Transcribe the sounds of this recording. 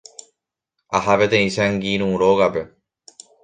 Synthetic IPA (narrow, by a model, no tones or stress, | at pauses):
ɐhɐʋed̪eisæːŋɡiːnuɾoːɡabe